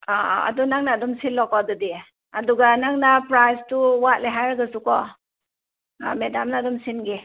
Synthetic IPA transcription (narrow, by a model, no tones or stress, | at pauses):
aa̰dɔnaŋnadɔmsinlːɔkɔdɔdi | aduɡanaŋnapɾajstuwat̚leɦajɾaɡasukɔ | medamnadɔmsinɡi